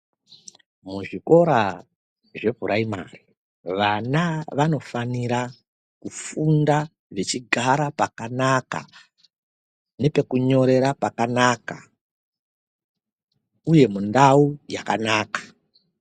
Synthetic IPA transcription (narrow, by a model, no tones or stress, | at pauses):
muʐiko̞ɾa | ʐe̞bʱuɾʔaima̰ːri | ʋanaʋano̞faniɾa | kufunda | ʐe̞t͡ʃiɡʱaɾapakanaka̰ | ne̞pe̞kuɲo̞ɾe̞ɾapakanaka̰ | uje̞mundaujakanaːkḁ